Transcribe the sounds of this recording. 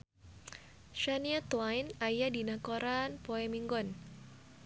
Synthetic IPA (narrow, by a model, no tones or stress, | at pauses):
ʃaniat̪wajnajadinakɔɾʔanpɔɛmiŋɡɔn